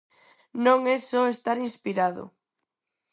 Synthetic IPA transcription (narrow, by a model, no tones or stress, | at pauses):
nõŋɛsɔest̪aɾinspiɾaðʊ̰